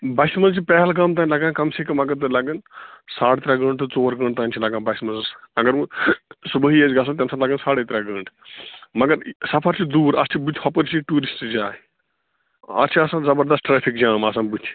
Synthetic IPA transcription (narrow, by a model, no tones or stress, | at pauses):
bɐsimɐlt͡ʃipɛɦɛlɡɐmt̪̬aːnʲlɐɡãːkɐmseːkɐmɐɡɐɾt̪̬ɨlɐɡɐnsaːɽet̪ɾaːɡə̃ːɳɖt̪ɨt͡soːɾɡə̃ːɳɖt̪aːnʲt͡ʃʰilɐɡãːbɐsmɐzɐsɐɡɐɾsubəɦiesɡɐs̬ɐ̃t̪jɐmsãlɐɡənsaːɽeːt̪ɾaɡəːɳʈʰmɐɡɐɾsɐpʰɐɾt͡ʃʰid̪uːɾɐst͡ʃʰibut̪ʰʲhɐpəɾt͡ʃʰiʈuːɾisʈd͡ʒaː | ɐ̰st͡ʃʰiɐsãːnzɐbɐɾd̪ɐsʈʈɾeːpʰikd͡ʒaːmɐs̬ãːbut̪ʰʲ